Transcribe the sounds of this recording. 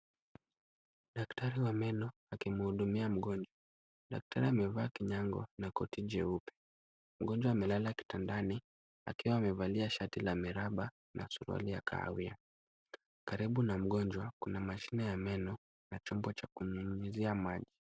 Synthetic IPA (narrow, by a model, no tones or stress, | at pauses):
ɗaktʰaɾiwamɛnɔ | akimuhuɗumiam̩ɠɔnd͡ʒwa | ɗa̰k̚tʰaɾiamɛvaːkiɲaŋɡɔ̰nakɔtid͡ʒɛupɛ̥ | m̩ɠɔnd͡ʒwaːmɛlalaki̥tandani | a̰kiwaːmɛvaliaʃatilamiɾaɓa | nʔa̰suɾua̰lija̰kʰa̰a̰wia | kaɾiɓunam̩ɠɔnd͡ʒwakunamaʃinɛjamɛnɔ | nat͡ʃɔmbɔt͡ʃakuɲuɲiziamaʄi